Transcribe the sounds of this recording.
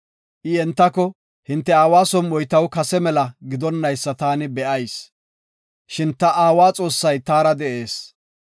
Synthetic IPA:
ʔɪɛnt̪ːɐkɔ | hɪnt̪ːɛaːwaːsɔnwɔjt̪ɐwkɐsɛmɛlɐɡɪd̪ɔnːɐjsːɐt̪aːnɪbɛʔɐjs | ʃɪnt̪ɐʔaːwaːt͡sʼo̞ːsːɐjt̪aːɾɐd̪ɛʔe̞ːs

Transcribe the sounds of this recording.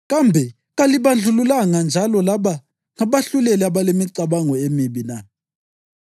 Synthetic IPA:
ɣ̬ambʱɛ | ɣaliɓand͡ɮʱululaŋand͡ʒʱalɔlaɓa | ŋaɓaɬulɛlɛaɓalemiǀaɓaŋɔemiɓina

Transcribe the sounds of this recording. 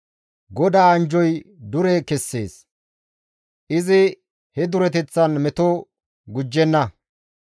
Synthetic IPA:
ɡɔd̪aːɐnd͡ʒɔjd̪ʊɾɛkɛsːe̞̰ːs | ʔɪzɪ | hɛd̪ʊɾɛt̪ɛt͡sːɐnmɛt̪o | ɡʊd͡ʒːɛnːɐ

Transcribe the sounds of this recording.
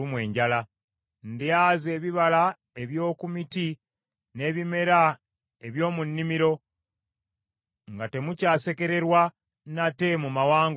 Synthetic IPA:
umwe̞ːɲɟala | ndeaːze̞ːβiβala | e̞βjo̞ːkumiti | ne̞ːβime̞ɾa | e̞βjo̞ːmunːimiɾo̞ | ŋɡate̞mucaːse̞ke̞ɾe̞ɾwa | nate̞mumawaːŋɡ

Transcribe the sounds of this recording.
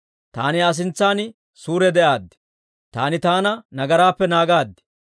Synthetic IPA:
t̪a̰ːnɪɐs̬ɪnt͡sːaːnɪ | suːɾɛd̪ɛʔaːd̪ːɪ̥ | t̪a̰ːnɪt̪aːnɐnɐɡɐɾaːpːɛnaːɡaːd̪ːɪ̥

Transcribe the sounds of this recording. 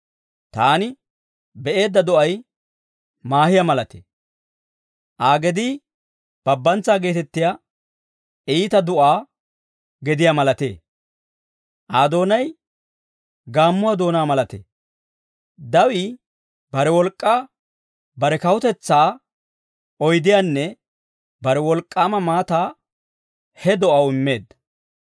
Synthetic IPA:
t̪aːnɪ | bɛʔe̞ːd̪ːɐd̪ɔʔɐj | maːhɪjamɐlɐt̪e̥̰ | ʔaːɡɛd̪iː | b̥ɐbːɐnt͡saːɡe̞ːt̪ɛt̪ːɪja | ɛːt̪ɐd̪ʊʔaː | ɡɛd̪ɪjamɐlɐt̪ḛː | ʔaːd̪o̞ːnɐj | ɡaːmːʊwaːd̪o̞ːnaːmɐlɐt̪ḛː | d̪ɐwɪ | bɐɾɛwɔlkʼːaː | bɐɾɛkɐwʊt̪ɛt͡sːaː | ɔjd̪ɪjanːɛ | bɐɾɛwɔlkʼːaːmɐmaːt̪aː | hɛd̪ɔʔɐwɪmːe̞ːd̪ɐ

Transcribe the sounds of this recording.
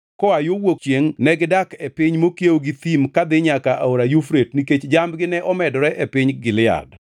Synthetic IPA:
kɔajowok̚t͡ʃjeŋnɛɡɪdakɛpɪɲmokjeoɡit̪imkad̪ɪɲakaʔaoɾajufɾetniket͡ʃd͡ʒambɡɪnɛʔɔmɛdɔɾɛʔɛpɪɲɡɪlɪa̰d

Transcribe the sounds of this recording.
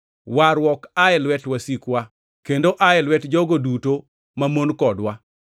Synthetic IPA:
waɾwɔkaɛlwɛtwasikwa | kendoʔaɛlwɛtd͡ʒɔɡoduto | mamonkɔdwa

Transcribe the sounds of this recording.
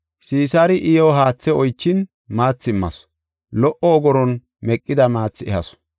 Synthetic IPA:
siːsaːɾɪʔɪjoːɦaːt͡sːɛɔjt͡ʃːɪn | maːt͡sːɪmːɐ̰s | lɔʔɔːɡɔɾɔn | mɛkʼːɪd̪ɐmaːt͡sːɪɛhɐ̰sɔ̥

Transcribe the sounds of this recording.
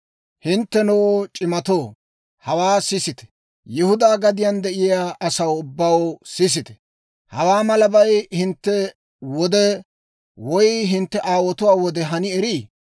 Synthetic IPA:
hɪnt̪ːɛnoːt͡ʃʼɪmɐt̪oː | hɐwaːsɪsɪt̪ɛ̥ | jɪhʊd̪aːɡɐd̪ɪjand̪ɛʔɪjaːʔɐsɐwʊbːawsɪs̬ɪt̪ɛ̥ | hɐwaːmɐlɐbɐjhɪnt̪ːɛ | wɔd̪ɛ | wɔjɦɪnt̪ːɛʔaːwɔt̪ʊwaːwɔd̪ɛɦɐnɪɛɾiː

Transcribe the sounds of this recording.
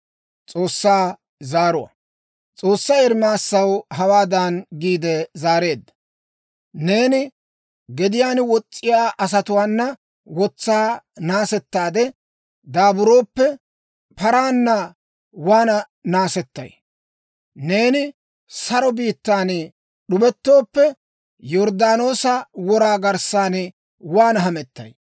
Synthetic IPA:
t͡sʼo̞ːsːaː | zaːɾʊwɐ̰ | t͡sʼo̞ːsːɐjɛɾmaːsːɐwɦɐwaːd̪ɐnɡiːd̪ɛzaːɾe̞ːd̪ːɐ | ne̞ːnɪ | ɡɛd̪ɪjaːnwɔt͡sʼːɪjaːʔɐs̬ɐt̪ʊwaːnːɐ | wɔt͡sːaːnaːsɛt̪ːaːd̪ɛ | d̪aːbʊɾo̞ːpːɛ | pɐɾaːnːɐ | waːnɐ | naːsɛt̪ːɐ̰j | ne̞ːnɪ | sɐɾɔbiːt̪ːaːn | ɗʊbɛt̪ːo̞ːpːɛ | jɔɾd̪aːno̞ːsɐwɔɾaːɡɐɾsaːn | waːnɐɦɐmɛt̪ːɐ̰j

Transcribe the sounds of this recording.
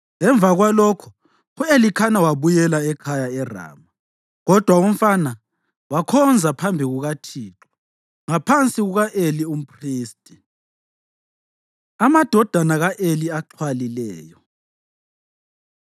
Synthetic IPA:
ŋɛɱb̪vʱaɣwalɔkʰɔ̥ | uelikʰanawaβujɛlaɛkʰajaɛra̰ːma | ɣɔd̥ʱwaum̩fana | wakʰɔnd͡zʱapʰambʱiɣuɣatʰiːǁɔ̥ | ŋapʰant͡sʼiɣuɣaʔelium̩pʰriːstʼi̥ | amad̥ʱɔd̥ʱanaɣaʔeliaǃʰwalilɛːjɔ

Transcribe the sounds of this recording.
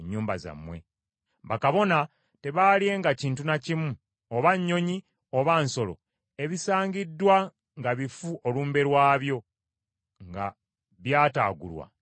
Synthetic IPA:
ɲːuːmbaza̰mːwe̞̰ | βakaβo̞na | te̞βalie̞ŋɡaciːntunacimu | oβaɲːo̞ɲi | o̞βaːnso̞lo̞̰ | e̞βisaːɲɟidːwa | ŋɡaβifuʔo̞luːmbe̞ɾwaːβjo̞ | ŋɡa̰ | βjaːta̰ːɡṵlwa̰

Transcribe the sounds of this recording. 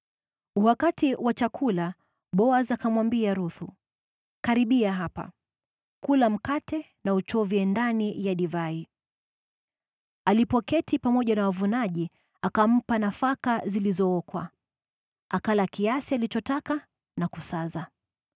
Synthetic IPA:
uwakatiwat͡ʃakʰula | ɓɔazakamwambiaɾuθu | kaɾiɓiaɦapa̰ | kulam̩katɛ | naut͡ʃɔvjɛndanijaɗivai | alipɔkɛtipamɔʄanawavunaʄi | akam̩panafakazilizɔɔkwa̰ | akalakiasialit͡ʃɔtaka | nakusaza

